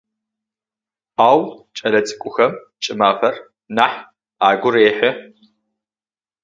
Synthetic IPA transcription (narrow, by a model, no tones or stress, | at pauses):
aːwt͡ʃʼɐlɐt͡sʼɨ̥kʷʼʊxɐm | t͡ʃʼɪmaːfɐr | naːħ | aːɡʷʊɾeːħɪ